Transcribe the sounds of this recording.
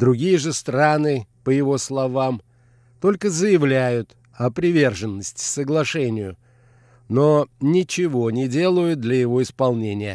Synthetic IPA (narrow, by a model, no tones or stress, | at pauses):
d̪ɾʊɡʲijəʐɨst̪ɾanɨpəjɪvo̞slˠɐvam | t̪o̞lʲkəzəjɪvlʲæjʊt̪ | ɐpɾʲɪvʲe̞rʐɨnːəsʲtʲɪ̥səɡlˠɐʂɛnʲɪjʊ | nonʲɪt͡ɕɪvo̞nʲɪdʲe̞lˠəjʊt̪̚d̪lʲɐjɪvo̞ɪspɐlˠnʲenʲɪjə